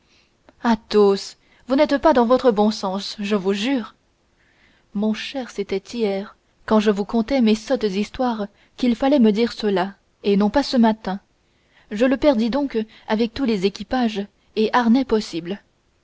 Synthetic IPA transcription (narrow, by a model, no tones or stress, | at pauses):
at̪os | vunɛt̪pad̪ɑ̃vɔt̪χəbɔ̃sɑ̃sʒəvuʒyːʁ | mɔ̃ʃɛʁset̪ɛt̪ijɛʁ | kɑ̃ʒəvukɔ̃t̪ɛmesɔt̪d̪ist̪waʁ | kʲilfalɛməd̪iʁsəla | enɔ̃pasəmat̪ɛ̃ | ʒələpɛʁd̪id̪ɔ̃k | avɛk̚t̪ulezekʲipaʒ | eʔaʁnɛpɔsibl